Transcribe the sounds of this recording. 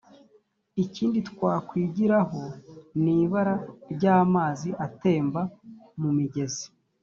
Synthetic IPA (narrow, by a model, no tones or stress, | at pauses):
iciːnditkwaːkwiːɟiɾaɦo̞niːβaɾaɾɟaːmaːziʔate̞ːmbamumiɟe̞zi̥